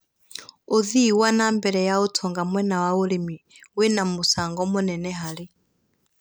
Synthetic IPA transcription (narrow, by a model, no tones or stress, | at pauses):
uðiwanambɛɺɛjautʰɔŋɡamwɛnawaulimi | wɛnamusaŋɡɔmunɛnɛɦali